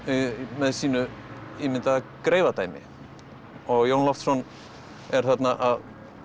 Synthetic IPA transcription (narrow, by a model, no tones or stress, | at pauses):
mɛðsiːnʏimɪnt̪akɾeːjvat̪aːjmɪ̰ | ɔɣjownlɔft̪sɔn | ɛɾ̥θat̪naʔað